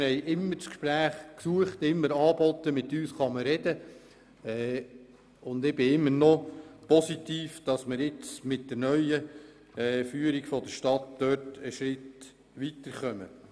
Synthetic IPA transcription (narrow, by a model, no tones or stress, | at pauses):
hɛjʔɪmːəɾt͡skʃpɾæːχksuəχt̪ɪmːəɾɑːbɔt̪ːəmɪt̪ːyːsχɑməɾɛd̥ə | ɛ | ʊnd̪ɪb̥ɪɪmːənɔpɔsit̪iːfd̥ɑsməɾɪt͡smɪtd̥əɾnœʏəː | fyːəɾiɡ̥fɔd̥əʃtɑtd̪̥œːɾtəʃɾɪt | ʋit̪əɾχœmə̰